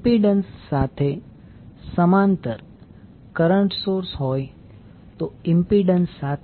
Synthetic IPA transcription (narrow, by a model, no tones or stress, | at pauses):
piɖənsːat̪ʰe | səmãnt̪əɾ | kəɾəɳʈsoːɾsɦoːj | t̪oɪmpiɖənsːat̪ʰ